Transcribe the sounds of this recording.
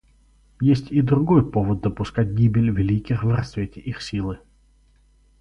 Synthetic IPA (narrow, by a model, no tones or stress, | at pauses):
jesʲtʲid̪ɾʊɡojpovəd̪̚d̪əpʊskat̚ʲɡʲibʲɪlʲvʲɪlʲikʲɪxvrɐsvʲetʲɪʔixsʲilˠɨ